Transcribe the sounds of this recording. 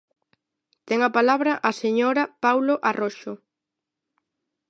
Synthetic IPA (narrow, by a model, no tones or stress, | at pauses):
t̪ɛŋɐpalaβɾɐʔaseɲoɾapawloʔaroʃo